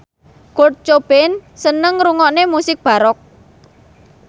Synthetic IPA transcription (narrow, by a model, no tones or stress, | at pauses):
ɡ̥or̚t͡ʃob̥ensənəŋɾuŋɔʔnemusɪk̚b̥a̤ɾɔk̚